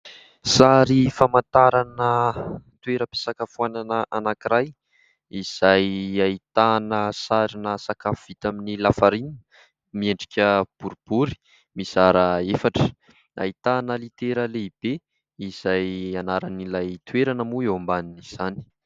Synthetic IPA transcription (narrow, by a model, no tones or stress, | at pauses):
saɾifamant̪aɾanət̪weɾəpe̥sakəfuananəʔanakiɾaj | iz̥ajait̪anəsaɾinəsakafuv̥it̪aminilafaɾinə̥ | mieɳɖ͡ʐikʲəb̥uɾub̥uɾi̥ | mizaɾəefaʈ͡ʂə̥ | a̰it̪anəlit̪eɾəleib̥e | iz̥ajanaɾanilajt̪uweɾanəmuewambaniniz̥ani̥